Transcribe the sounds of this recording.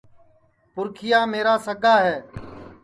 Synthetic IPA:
pʊɾkʰɪjaːmeːɾaːsəɡʱaːɦɛː

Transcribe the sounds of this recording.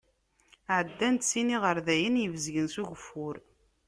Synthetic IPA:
ʕəd̪ːænt̪siniʁəɾðæjənjəvəzʝənsuʝəfːʊɾ

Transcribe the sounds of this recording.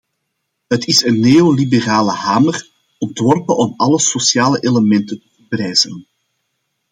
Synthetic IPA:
ɦətɪsənːeːolibəraːləɦaːmər | ɔntʋɔrpənʔɔmɑləsosjaːləʔeləmɛntəntəfəprɛːjz̥ən

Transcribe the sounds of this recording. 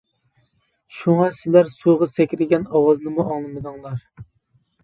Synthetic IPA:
ʃuŋɑsɪlæɾsuʁɑsɛkʲɾɪɡʲɛnɑwɑznɨmuʔɑŋlˠɨmɨd̪ɨŋlˠɑɾ

